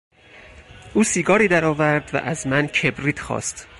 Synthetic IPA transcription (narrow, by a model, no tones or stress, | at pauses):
ʔuːsiːɡɒːɾiːd̪æɾɒːvæɾd̪væ̰ʔæzmæncʰe̞bɾiːt̪ʰxɒ̰ːst̪